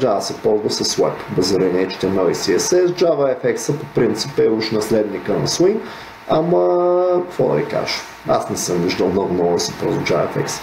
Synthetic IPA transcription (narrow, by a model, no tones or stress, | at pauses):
d̪aəsɛpɔzvəsɐswɛ̰pbɛzɾinɛt͡ʃi̥t̪ɛmɛisiɛsɛzd͡ʒavəɛfɛksəpopɾint̪sipɛuʃnɐslɛd̪nikənɐ̰swin | amɐkfɔd̪ɐ̰ḭka̰ʒ̥ | asnɛsəmviʒd̪əlˠmnɔɡʊnɔɡʊd̪ɐsɛpɾozud͡ʒav̰ɛ̰fɛ̰ksə̥